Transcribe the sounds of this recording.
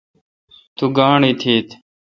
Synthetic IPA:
t̪uːɡaːɳiːt̪ʰiːt̪ʰ

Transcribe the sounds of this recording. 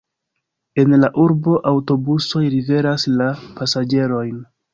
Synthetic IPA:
e̞nlaʔuɾbo̞ʔawto̞buso̞jɾive̞ɾaslapasad͡ʒe̞ɾo̞jn

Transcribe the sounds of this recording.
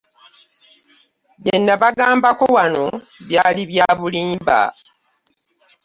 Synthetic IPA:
βjenːaβaɡaːmbako̞wano̞βjaːliβjaːβuliːmba̰

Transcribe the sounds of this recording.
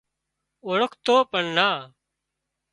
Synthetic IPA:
oɭəkʰt̪oːpəɳnaː

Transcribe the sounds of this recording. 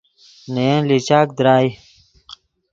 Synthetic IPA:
nejẽlit͡ɕaːk̚d̪ɾaːj

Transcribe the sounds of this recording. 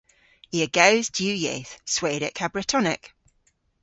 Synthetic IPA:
iəɡəʊzdjʉːjḛːθsweːɾɪ̰ʔkʰabɹətʰɒnɪ̰k

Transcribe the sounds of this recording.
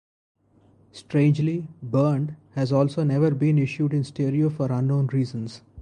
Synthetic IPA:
sʈɾẽːnd͡ʒlibəːɳɖhæzɔːlsoːnɛʋəɾbĩːnɪʃjuːɖɪ̃nsʈeːɾiofɔːɾʌ̃nːõːnɾiːzə̃nz

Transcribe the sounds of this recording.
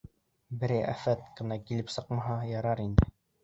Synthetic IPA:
bɘ̆ɾæʔæ̰fæt̪kɤ̆nɑkilɘpsɤqmɑɦɑjɑɾɑɾind̪ɘ

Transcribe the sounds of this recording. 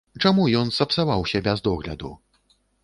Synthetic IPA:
t͡ʂamujɔnsɐpsavawsʲabʲɛzd̪ɔɣlʲɐ̰d̪u

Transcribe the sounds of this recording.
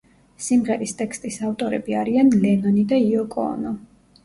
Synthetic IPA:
simʁɛɾist̪ʼɛkst̪ʼisaft̪ʼɔɾɛbiaɾianlɛnɔnid̪aiɔkʼɔ̰ːnɔ

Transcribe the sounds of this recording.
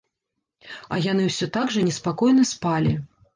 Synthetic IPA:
ɐ̰jan̪ɨwsʲɔt̪aɡʐɐnʲɛspakɔjn̪ɐspalʲi

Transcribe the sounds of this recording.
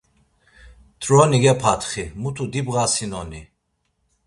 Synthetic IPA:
t̪ɾɔniɡɛpʰat̪ʰχimut̪ʰud̪ibɣasinɔni

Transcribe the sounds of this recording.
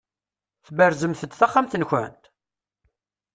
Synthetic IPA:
θbəɾzəmθəd̪θaχːamθənçæ̰nt̪

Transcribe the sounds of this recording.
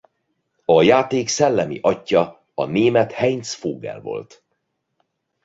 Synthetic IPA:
ɒjaːt̪eːksɛlːɛmḭʔɒcːɒ | ɒneːmɛt̪hɛjnsfoːɡɛ̰lvo̞̰lt̪

